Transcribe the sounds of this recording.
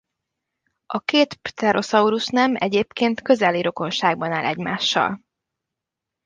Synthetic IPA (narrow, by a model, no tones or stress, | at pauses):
ɒkeːt̪t̪ɛɾo̞sɒuɾuʃnɛmɛ̰ɟeːpkeːnt̪kø̞zɛlːiɾo̞ko̞nʃaːɡ̚bɒnaːlʔɛɟmaːʃːɒ̰l